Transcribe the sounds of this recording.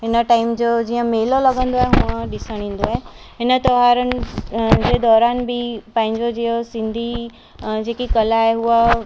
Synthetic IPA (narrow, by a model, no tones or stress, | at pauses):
ɪnəʈaːɪmd͡ʒod͡ʒiːə̃meːlolɐɡə̃nd̪oaɦeɦʊãɖɪsəɽ̃ĩːnd̪oae | ɪnət̪ɔɦaːɾən | ked̪ɔːɾaːnbʱipãːɪ̃ɲd͡ʒod͡ʒiosɪ̃nd̪ʱi | d͡ʒeːkikɐlaɦeɦua